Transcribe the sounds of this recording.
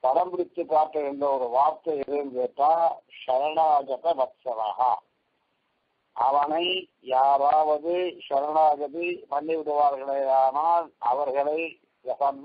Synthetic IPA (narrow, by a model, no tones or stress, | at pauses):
pɐɾɐmbɪɽɪt̪ːɯkːaːʈːɯɛnd̪ɐɔɾɯʋaːɾt̪ɐɛðɯnɡeːʈːaːʂɐɾɐɳaːɡɐt̪ɐbɐt̪sɐʋa̰ːɦɐ̰ | ɐʋɐnɐɪ | jaːɾaːʋɐðɯʂɐɾɐɳaːɡɐðipɐɳːiʋɪɽɯʋaːɾɣɐɭɐɪaːnaːlɐʋɐɾɣɐɭɐɪ | ʋɐsɐn